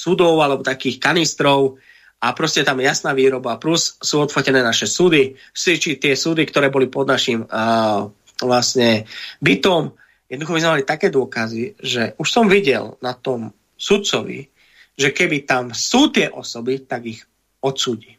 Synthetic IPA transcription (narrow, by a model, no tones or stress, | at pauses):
sud̪ɔʊalɛbɔt̪akiːxkanist̪ɾɔʊ | apɾɔscɛt̪amjasnaːʋiːɾɔbaplussuːɔt̪fɔcɛnɛːnaʃɛsud̪i | sit͡ʃit̪ɪɛsuːd̪ikt̪ɔɾɛːbɔlipɔd̪naʃim | ʋlasɲɛbit̪ɔm | jɛd̪nd̪uxɔmizmɛmalit̪akɛːd̪ʊɔkaziʒɛʔuʃsɔmʋiɟɛ̰lnat̪ɔm | sut̪t͡sɔʋḭ | ʒɛkɛbit̪amsuːt̪ɪɛʔɔ̰sɔbit̪aɡix | ɔt̪suːɟi